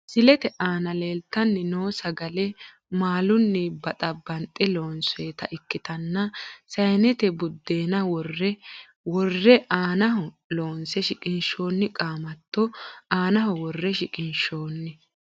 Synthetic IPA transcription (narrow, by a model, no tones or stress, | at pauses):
sɪlɛt̪ɛʔaːnɐle̞ːlt̪ːɐnːɪnoːsɐɡɐlɛ | maːlʊnːɪbɐt̪ʼɐbːɐnt̪ʼːɛloːnseːt̪ɐʔɪkːɪt̪ɐnːɐsɐjnɛt̪ɛbʊd̪ːe̞ːnɐwɔrːɛ | wɔrːɛʔaːnɐɦɔ | loːnsɛʃɪkʼɪnʃo̞ːnːɪkʼaːmɐt̪ːɔaːnɐɦɔwɔrːɛʃɪkʼɪnʃo̞ːnːɪ